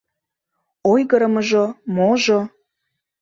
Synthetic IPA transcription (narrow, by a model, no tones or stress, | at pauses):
ojɣəɾəməʒomoʒo